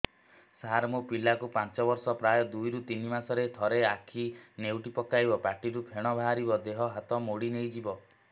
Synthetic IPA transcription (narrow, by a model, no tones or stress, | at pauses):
saɾmopilakupãnt͡ʃɔbɔɾsɔpɾajɔd̪ujɾut̪inimasɔɾet̪ʰɔɾeakʰinewʈipɔkːajbɔpaʈiɾupʰeɽ̃ɔbʱaɦaɾibɔd̪eɦɔɦat̪ɔmoɽinejd͡ʒibɔ